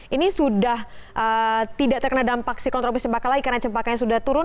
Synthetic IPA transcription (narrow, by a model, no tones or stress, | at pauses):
inisudahʔət̪idaʔt̪ərkənadampak̚sikɔnt̪ɾɔpist͡ʃəmpakalaikaɾənat͡ʃəmpakanɲasudaht̪uɾʊn